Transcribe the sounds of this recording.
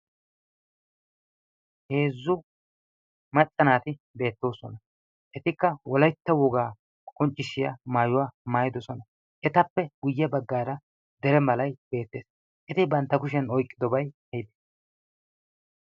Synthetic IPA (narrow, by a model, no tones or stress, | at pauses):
he̞ːzːʊ | mɐt͡sʼːɐnaːt̪ɪ | be̞ːt̪ːo̞ːsɔnɐ | ʔɛt̪ɪkːɐwɔlɐjt̪ːɐwɔɡaː | kʼɔnt͡ʃʼːɪʃɪjɐmaːjʊwaːmaːjɪd̪ɔsɔnɐ | ʔɛt̪ɐpːɛɡʊjːɐbɐɡːaːɾɐ | d̪ɛɾɛmɐlɐjb̥e̞ːt̪ːe̞ːs | ʔɛt̪ɪbɐnt̪ːɐkʊʃ̬ɛnɔjkʼːɪd̪ɔbɐjɐjɪd̪e̥